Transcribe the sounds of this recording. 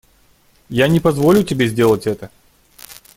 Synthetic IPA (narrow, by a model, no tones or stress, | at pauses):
janʲɪpɐzvolʲʊtʲɪbʲezʲdʲe̞lˠətʲɛt̪ə